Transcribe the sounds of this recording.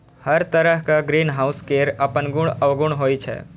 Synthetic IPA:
hɐɾt̪əɾəɦkaɡɾiːnɦaːʊskeːɾɐpənɡʊɽ̃ɐʋɡʊɽ̃ɦoːit͡ʃʰɛ̰ː

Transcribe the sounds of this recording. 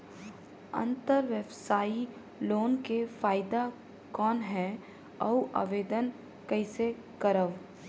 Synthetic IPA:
ɐ̰̃nt̪əɾʋəbsaːi | loːnkefaːɪd̪a | kɔːnɦɛː | ɐuʔa̰ʋeːd̪ən | kɐɪse | kəɾəʋ

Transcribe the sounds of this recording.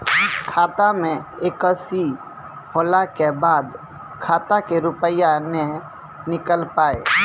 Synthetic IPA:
kʰaːt̪amẽeːkəsi | hoːlakebaːd̪ | kʰaːt̪akeɾʊpəjanɛ | nɪkəlpaːeː

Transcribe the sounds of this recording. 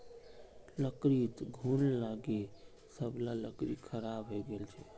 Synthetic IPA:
ləkɾit̪ɡʱunlaɡe | səblaləkɾikʰəɾabɦoɡelt͡ʃʰɛ

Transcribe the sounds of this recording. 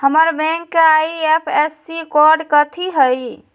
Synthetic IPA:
həməɾbɛ̃ŋkːeajepʰesːikɔɾɖkət̪ʰiɦəj

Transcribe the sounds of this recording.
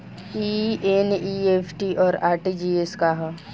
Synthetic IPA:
ieniepʰʈiʔɔːɾaːɾʈid͡ʒiːeskaɦa

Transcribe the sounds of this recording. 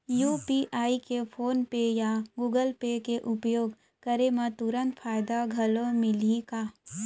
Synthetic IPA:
juːpiʔaːikepʰoːnpejaɡuːɡəlpekeʔʊpjoːɡ | kəɾemãt̪uɾə̃nt̪pʰaːjd̪aɡʱɐlomɪlikaː

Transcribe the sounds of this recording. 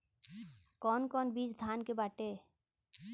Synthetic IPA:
kɔːnkɔːnbiːd͡ʒd̪ʱaːnkebaːʈeː

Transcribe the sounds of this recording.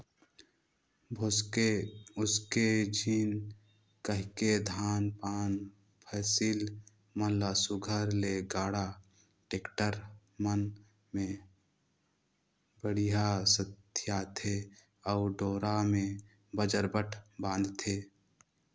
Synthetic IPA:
eʊsked͡ʒiːn | kəɦked̪ʱaːnpaːn | pʰɛːsiːl | mənlasʊɡʱəɾleɡaːɽa | ʈeːkʈəɾ | mən | mẽ | bəɽiɦasət̪ʰjat̪ʰe | ɔʊɖoːɾamẽ | bəd͡ʒəɾbəʈʰbãːnd̪t̪ʰeː

